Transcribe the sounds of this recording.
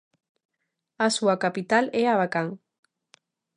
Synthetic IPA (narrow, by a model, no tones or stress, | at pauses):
asuakapit̪aleaβakaŋ